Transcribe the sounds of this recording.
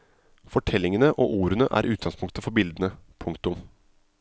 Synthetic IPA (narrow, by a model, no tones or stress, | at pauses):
fɔʈʰɛlːɪŋənəʔoːʔuːɾənəʔæ̰ːɾʔʉːt̪̚ɡɑŋspʰʊŋkt̪əfɔɾbɪld̪ənəpʰʊŋkt̪ʊm